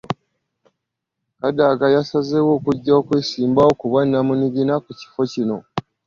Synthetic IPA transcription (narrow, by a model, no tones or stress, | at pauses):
kadaɡajasazewo̞ːkuɟːaokweːsiːmbaokuβanːamuniɡinakuci̥fo̞cino̞